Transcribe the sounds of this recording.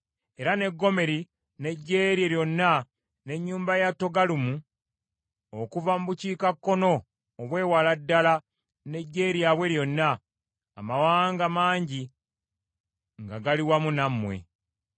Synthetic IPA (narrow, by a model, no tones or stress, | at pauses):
e̞ɾane̞ɡːo̞me̞ɾi | ne̞ɟːeːɾjeɾjo̞nːa | ne̞ɲːuːmbajatːo̞ɡalumu | okuvamuβuciːkakːo̞no̞ː | βwe̞ːwaladːala | ne̞ɟːe̞ːɾiaβwe̞ɾjo̞nːaː | mawaːŋɡamaːɲɟi | ŋɡaɡaliwamunamwe̞̰